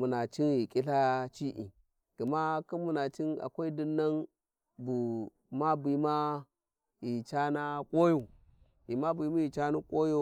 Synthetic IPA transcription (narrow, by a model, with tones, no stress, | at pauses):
mu˨na˨t͡ʃi˦nji˨kʼi˦ɬa˦t͡ʃi˦ʔḭ˨ | ɡ̥i˨ma˦ki˦mu˨na˨t͡ʃi˦na̰˨kʷa˦i˦di˦nːa˦n | bu˨ | ma˦bi˨˦ma˦ | ji˨t͡ʃa˦na˦kʼo˦jo˨ | ji˨ma˦bu˨˦ma˦ji˨t͡ʃa˦nu˦kʼo˦jo˦